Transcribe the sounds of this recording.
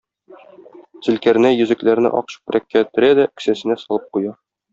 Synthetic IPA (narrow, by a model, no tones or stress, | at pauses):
z̥ɘ̆lkæɾɘ̆næjɵ̆zɘ̆klæɾnɘ̰ʔɒ̰qɕɤ̥q̚bɘ̆ɾækːæt̪ɵ̆ɾæd̪æɵ̆ksæsɘ̆næsɒlˠɤp̚qujɑ